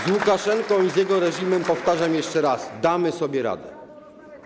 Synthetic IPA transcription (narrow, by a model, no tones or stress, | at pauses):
zwukaʂɛŋkɔ̃w̃izjɛɡɔɾɛʐimɛmpɔft̪aʐamjɛʂt͡ʂɛɾazd̪amɘsɔbʲjɛɾa̰d̪ɛ̰